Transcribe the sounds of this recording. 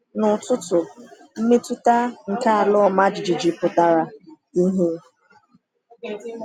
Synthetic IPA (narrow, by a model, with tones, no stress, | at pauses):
nʊ˨tʊ˦tʊ˨ | m̩˦me˦tu˦ta˦ŋ̩˨ka˦a˨lɔ˦ɔ˨ma˦d͡ʒɪ˨d͡ʒi˨d͡ʒɪ˨pʊ˨ta˨ɾa˨ | i˦ɦe˦